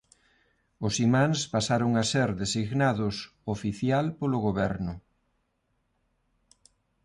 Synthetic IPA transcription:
ʊsimãŋspasaɾoŋaseɾðesiɣnaðʊs | ofiθjalpolʊɣoβɛɾnʊ

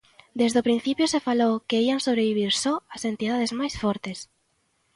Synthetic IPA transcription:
d̪ezðʊpɾĩn̟θipjʊsefalowkeiaŋsoβɾeβiβ̞iɾsɔasent̪iðað̞ezmajsfɔɾt̪es

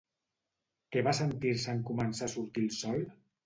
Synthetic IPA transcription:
keβasənt̪iɾsəŋkumənsasuɾt̪ilˠsɔl

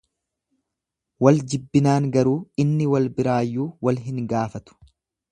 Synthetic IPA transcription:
wɐld͡ʒɪbːɪnaːŋɡɐɾuːɪnːɪwɐlbɪɾaːjːuːwɐlɦɪŋɡaːfɐt̪ʊ̥

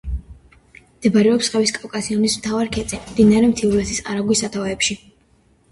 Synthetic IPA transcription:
md̪̥ɛbaɾɛɔpsχɛviskʼawkʼasiɔnismt̪ʰavaɾkʰɛt̪sʼɛmd̪inaɾɛmt̪ʰiulɛsʰisa̰ɾaɡwisat̪ʰavɛpʃi

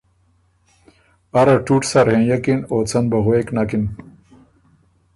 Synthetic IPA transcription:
ɐɾɐʈuʈsaɾhẽjɐkinoːt͡sɐnbɐɦoeknakin

